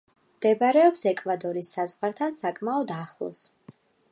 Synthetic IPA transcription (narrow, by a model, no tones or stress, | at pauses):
md̪̥ɛbaɾɛɔpsɛkʼvad̪ɔɾisːazʁwaɾt̪ʰansakʼmaɔd̪aχlˠɔ̰s